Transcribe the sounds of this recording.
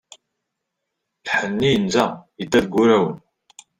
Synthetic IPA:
lħənːijənzæət̪ːæðɡːʊɾæwən

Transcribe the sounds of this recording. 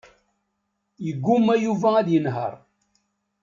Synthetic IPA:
jəɡːumæjuvææd̪jənɦə̰ɾˤ

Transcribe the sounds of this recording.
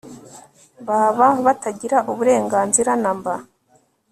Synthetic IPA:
baːβaβataɟiɾaʔuβuɾe̞ːŋɡaːnziɾanamba

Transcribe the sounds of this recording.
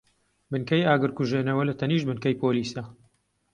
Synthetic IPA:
bɨnkɐjaːɡɨɾkuʒeːnɐwɐlɐt̪ʰɐniːʃbɨnkɐjpʰoːliːsɐ

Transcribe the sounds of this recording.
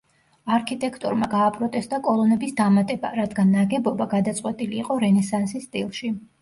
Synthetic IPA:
aɾkʰit̪ʼɛkʰt̪ʼɔ̰ɾmaɡaːpʼɾɔt̪ʼɛst̪ʼakʼɔlˠɔnɛbisd̪amat̪ʼɛba̰ɾad̪ɡanːaɡɛbɔbaɡad̪at̪sʼqʼwɛt̪ʼiliːqʼɔɾɛnɛsansist̪ʼilˠʃi

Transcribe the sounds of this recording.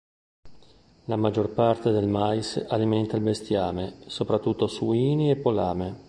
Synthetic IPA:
lamad͡ʒːorpart̪ed̪elmajsalimɛnt̪ailbest̪jaːmesopɾat̪ːut̪ːosuiːniepːolaːme

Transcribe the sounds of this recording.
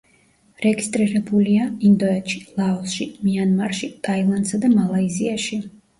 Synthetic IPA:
ɾɛɡist̪ʼɾiɾɛbuliaind̪ɔɛt̪ʃi̥lˠaɔsʃimianmaɾʃit̪ʼailˠand̪sad̪amalˠaiziaʃi

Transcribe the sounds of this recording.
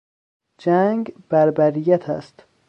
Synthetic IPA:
d͡ʒæŋɡb̥æɾbæɾijæt̪ʰæ̰st̪

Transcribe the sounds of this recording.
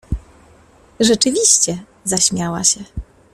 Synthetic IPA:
ʐɛt͡ʂɘvʲiɕt͡ɕɛ | zaɕmʲjawa̰ɕɛ

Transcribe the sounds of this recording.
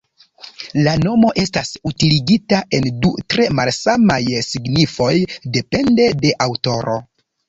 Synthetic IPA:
lano̞mo̞ʔe̞stasutiliɡitaʔe̞ndutɾe̞malsamajsiɡnifo̞jde̞pe̞nde̞de̞ʔawto̞ɾo̞̰

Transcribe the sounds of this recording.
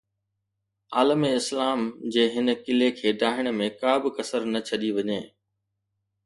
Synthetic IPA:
aːləmeɪslaːmd͡ʑeːɦɪnə̆kɪlekʰeːɖaːɦɪɽ̃ə̆mẽkaːbɪkɐsəɾnɐt͡ɕʰɐɗiʋɐɲeː

